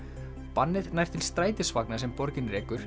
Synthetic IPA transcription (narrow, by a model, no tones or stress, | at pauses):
panːɪðnajr̥t̪ʰɪlst̪ɾaːjt̪ɪsvaknas̬ɛmpɔɾcɪnrɛːkʏɾ̥